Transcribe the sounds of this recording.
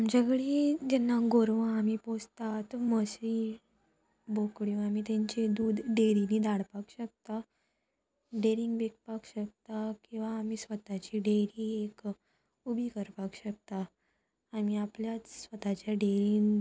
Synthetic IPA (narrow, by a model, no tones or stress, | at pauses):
amt͡ɕaɡɽid͡ʑɛnːaɡoɾʋãamipost̪at̪məsiː | bokɽjũamiːt̪jãɲt͡ɕed̪uːd̪ɖeɾiniːd̪aɽpakɕək̚t̪a | ɖeɾiŋɡbek̚pakɕək̚t̪akĩw̃ʋaːmisʋət̪at͡ɕiɖeɾiːek | ubʱikəɾpakɕək̚t̪aː | miapljat͡ssʋət̪at͡ɕjaɖeɾiŋɡ